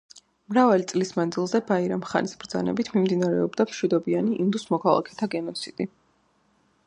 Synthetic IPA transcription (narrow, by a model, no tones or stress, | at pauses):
mɾavalit̪sʼlismand̪zilˠzɛbaiɾamχa̰nisbɾd̪za̰nɛ̰bit̪ʰmimd̪inaɾɛ̰ɔbd̪amʃwid̪ɔbianiʔind̪usmɔkʰalˠa̰kʰɛ̥t̪ʰaɡɛnɔt̪sʰit̪ʼi